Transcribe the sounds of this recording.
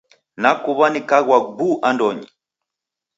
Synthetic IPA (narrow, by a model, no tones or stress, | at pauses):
nakuβanikaɣwaɡuʔandɔɲḭ